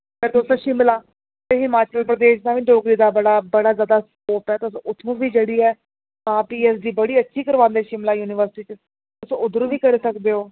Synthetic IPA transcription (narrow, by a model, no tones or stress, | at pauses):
kəɾt̪osãːʃɪmlaː | t̪eːɦɪmaːt͡ʃəlpɾəd̪eːʃd̪ãːʋĩːɖoːɡɾiːd̪aːbəɽaːbəɽaːzjaːd̪aːskoːpɛːt̪ʊsʊt̪ʰõːʋiːd͡ʒeɽiːɛː | ãːpiːɛːs̬d̪iːbəɽiːətːʃʰiːkəɾʋãːnd̪eːʃɪmlaːjuːnɪʋəɾsɪʈiːt͡ʃ | ʊsʊd̪əɾõːʋiːkəɾeːsəkd̪eːoː